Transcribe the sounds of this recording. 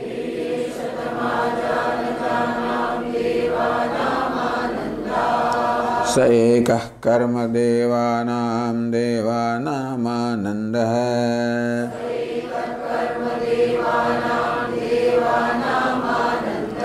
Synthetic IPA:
ɐmaːaːnɐanamːʋaːnaːmaːnɐnd̪a | sɐeːkɐ | kɐɾmɐd̪eːʋaːnaːmd̪eːʋaːnaːmaːnɐnd̪ɐɦɐ | kɐɾmɐd̪ːanaːmd̪eʋaːnaːmaːnɐn

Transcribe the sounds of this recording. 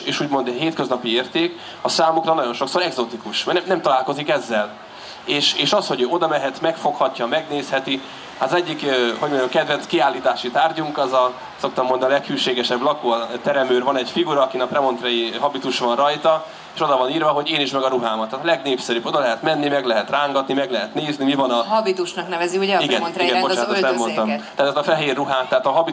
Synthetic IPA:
eːʃuːɟmo̞nd̪ɦeːt̪køznɒpieːrt̪eːk | ɒsaːmokrɒnɒɟo̞nʃo̞kso̞ɾɛɡzot̪ikuʃmɛnɛnɛmt̪ɒlaːlko̞zikɛzːɛl | eːʃeːʃɒsho̞ɟøːo̞d̪ɒmɛɦɛt̪mɛkfo̞khɒcːɒmɛɡneːshɛt̪i | hat̪ɒzɛɟːikːɦoɟmoɲdɒkɛd̪vɛntskiaːlːiːt̪aːʃit̪aːrɟuŋkɛzɒ | so̞k̚t̪ɒmond̪niɛkhyːʃeːɡɛʃɛblɒkoːt̪ɛɾɛmøːrvɒnɛɟfiɡuɾɒːkinɒprɛmo̞nt̪rɛjiɦɒbit̪uʃʋɒnrɒjt̪ɒ | eʃo̞d̪ɒvɒniːrvɒɦo̞ɟeːniʃmɛɡɒɾuɦaːmɒt̪ːaːt̪ɒlɛɡneːpsɛɾybːo̞d̪ɒlɛɦɛt̪mɛnːimɛɡlɛɦɛt̪raːŋɡɒt̪nimɛɡlɛɦɛt̪neːznimivɒnɒɦɒbit̪uʃnɒknɛvɛziuɟɛiɡɛniɡɡɛnoaɛst̪ɛmmːont̪ɒmt̪ːɛat̪ɛzɒfɛɦeːrːuɦaːt̪ːɛaat̪ɒɦɒbi

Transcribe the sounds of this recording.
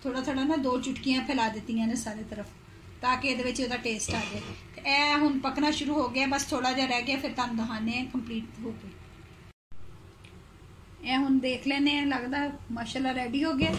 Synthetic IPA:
t̪ʰoːɽaːt̪ʰoːɽaːnãːd̪oːt͡ʃʊʈkɪjãːpʰɛːlaːd̪ɪt̪ːijãːnẽːsaːɾeːt̪əɾəpʰ | t̪aːkɪeːd̪eːʋɪt͡ʃoːd̪aːʈeːsʈaːɡɛːt̪eɛ̃ːɦʊnpəknaːʃʊɾuːɦoːɡɪaːbəst̪ʰoːɽaːd͡ʒaːɾɛːɡɪaːpʰɪɾt̪aːnũːd̪əɦaːnẽkəmpliːʈɦoːɡeː | ɛ̃ːɦʊnd̪eːkʰleːnẽːləɡd̪aːmaːʃaːlaːɾɛːɖiːɦoːɡɪaː

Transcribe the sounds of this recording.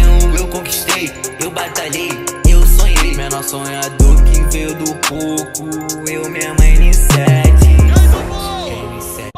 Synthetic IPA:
ũewkõki̥ʃt̪ejewbat̪aʎejewsõɲlemĩɐnɐ̃sõɲad̪oɾkɪĩvejud̪ʊpokʊewmĩɲɐmɐ̃j̃nĩsɛt͡ʃi | e | ĩsɛ

